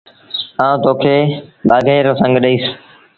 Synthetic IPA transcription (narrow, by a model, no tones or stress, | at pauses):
ãːũt̪oːkʰeːɓaːɡʱeːɾosə̃ŋɡɗəiːs